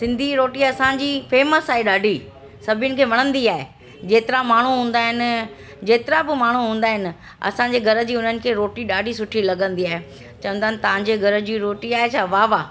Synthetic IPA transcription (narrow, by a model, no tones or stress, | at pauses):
sɪ̃nd̪ʱiɾoːʈiɐsãɲd͡ʑiːfeːməsaːɦeɗaːɖʱi | sɐbʱjʊnɪ̆kʰeːʋɐɽ̃ə̃nd̪iaːɦe | d͡ʑeːt̪ɪɾamaːɳ̤uɦũːn̆d̪aːɦɪnɪ̆ | d͡ʑeːt̪ɪɾabɪmaːɳ̤uɦũːnd̪aːɦɪnɪ̆ | ɐ̰sãɲ̆d͡ʑeːɡʱɐɾə̆d͡ʑiːʊn̤ənɪ̆kʰeːɾoːʈiɗaːɖʱisʊʈʰilɐɡə̃nd̪iaːɦe | t͡ɕɐʋə̃nd̪aːɦɪnɪ̆t̪ɐʋ̤ãɲ̆d͡ʑeɡʱɐɾə̆d͡ʑiːɾoːʈiaːɦet͡ɕʰaʋaʋaː